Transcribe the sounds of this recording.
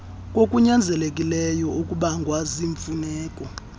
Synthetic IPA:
kʼokʼuɲand͡zʱɛlekʼilɛjɔukʼuɓaŋɡʱwaziɱfunɛːkʼɔ

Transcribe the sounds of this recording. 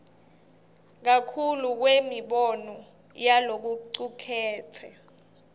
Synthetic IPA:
k̬akʰuluk̬wemiɓɔnɔ | jalok̬uǀukʰɛːtʰɛ

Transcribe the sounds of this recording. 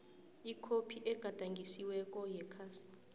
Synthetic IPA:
ikʰopʰiʔɛɡ̥ʱad̥ʱaŋɡʱisiwɛk̬ʼɔjɛkʰasi̥

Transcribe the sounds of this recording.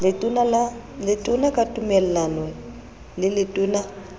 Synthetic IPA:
lɪuna | lɪtʼʊnakʼatʼumɛlanwɛ | lɪlɪtʼuːna

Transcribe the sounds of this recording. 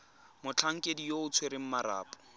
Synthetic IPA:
mʊt͡ɬʰaŋ̩kʼedijoʊt͡sʰweɾɪŋ̩maɾa̰ːpʼɔ̥

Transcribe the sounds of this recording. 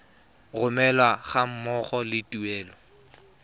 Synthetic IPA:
ɣʊmɛlwaχam̩mɔχɔlɪtuɛːlɔ

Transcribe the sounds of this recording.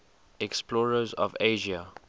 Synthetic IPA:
ɛksplɔːɹəzɔ̰veːʒia

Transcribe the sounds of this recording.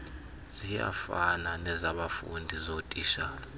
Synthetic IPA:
z̥ija̰fananɛzaɓafṵndʱizotʼiʃaːla

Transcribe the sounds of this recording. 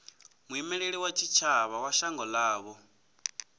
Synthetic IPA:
muimɛɺeɺiwat͡ʃʰit͡ʃʰaβawaʃaŋɡɔlaːβɔ

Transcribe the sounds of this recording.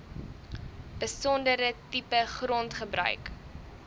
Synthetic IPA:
b̥əsɔndəɾətipəχrɔntχəbrœ̰ɥk

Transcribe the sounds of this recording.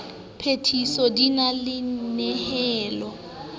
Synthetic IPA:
pʰetʰisɔdinalɪnɛhɛːlɔ

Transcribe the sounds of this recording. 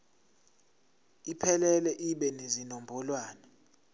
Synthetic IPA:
ipʰɛlɛlɛʔiɓɛnezinombʱɔlwaːnɛ

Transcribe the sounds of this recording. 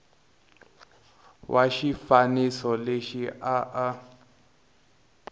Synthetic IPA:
wʔaʃifanisɔleʃiʔaʔa

